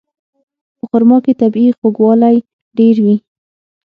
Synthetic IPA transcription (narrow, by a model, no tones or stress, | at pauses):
pəxʊɾmɑket̪abixoɡwɑlaj | ɖeɾwi